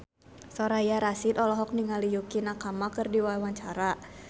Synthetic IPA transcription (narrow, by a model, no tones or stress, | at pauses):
sɔɾajaɾasit̪ɔlɔɦɔk̚niŋalijukinakamakɨrdiwawaɲt͡ʃaɾa